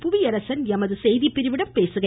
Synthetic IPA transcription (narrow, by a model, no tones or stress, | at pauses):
pʊʋɪjɐɾɐsɐnɛmɐðɯsɛjðipːɪɾɪʋɪɽɐmpeːsɯɣɐ